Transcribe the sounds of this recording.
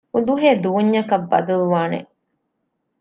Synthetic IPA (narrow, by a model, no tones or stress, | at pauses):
ud̪uɦeːd̪uːɲːɐkɐbːɐ̰d̪ɐluʋaːnḛ